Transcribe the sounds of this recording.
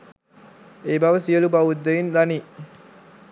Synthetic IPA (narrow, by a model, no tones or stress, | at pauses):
eːbaʋəsiəlubaʋud̪ːeʋind̪ani